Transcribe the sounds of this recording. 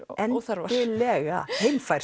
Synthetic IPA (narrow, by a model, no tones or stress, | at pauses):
ɛnθaɾvaɪlɛɣahejmfaj